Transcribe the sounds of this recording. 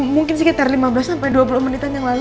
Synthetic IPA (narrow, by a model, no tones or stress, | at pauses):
muŋkɪns̬ikit̪arlimabəlasampajduapulʊhmɔnit̪anjaŋlal